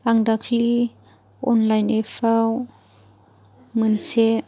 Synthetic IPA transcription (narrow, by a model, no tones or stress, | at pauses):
aŋdakʰli | ɔnlajnefaw | mənse